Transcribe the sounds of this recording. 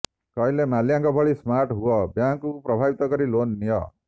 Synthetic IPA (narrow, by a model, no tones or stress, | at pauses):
kɔjlemaljaŋkɔbʱɔɭismaɾʈɦuɔbjaŋkupɾɔbʱabit̪ɔkɔɾilonːijɔ̰